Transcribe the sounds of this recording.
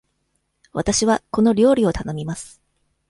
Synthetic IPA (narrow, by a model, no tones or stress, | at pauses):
βat̪aɕiβako̞no̞ɾʲo̞ːɾʲio̞t̪ano̞mʲimasɨ̥